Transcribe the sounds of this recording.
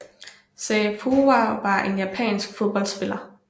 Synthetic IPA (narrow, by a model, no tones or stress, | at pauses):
seːfʰuːɑʋɑ̈ʔe̝njæpʰɛ̰ːnsɡ̥fo̝ð̞ˠb̥ɒ̽l̰d̥sb̥e̝lɐ